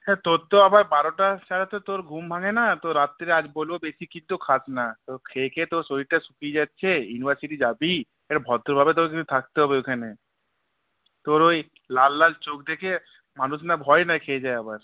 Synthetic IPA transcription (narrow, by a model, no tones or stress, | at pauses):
ɛt̪oɾt̪oabaɾbaɾoʈat͡ɕaɾat̪ot̪oɾɡʱumbʱaŋenat̪oɾat̪ːeɾad͡ʑbolbobesikint̪ukʰat͡ɕnat̪oɾkʰekʰet̪oɾsoɾiʈasukid͡ʑatːɕʰejunibʱaɾsiʈid͡ʑabi | eɾabʱɔd̪oɾbʱabet̪̬oɾkiut̪ʰak̚t̪eɦɔbeokʰane | t̪oɾoj | lalːalt͡ɕokd̪ekʰe | manuʃnabʱɔenakʰed͡ʑaeabaɾ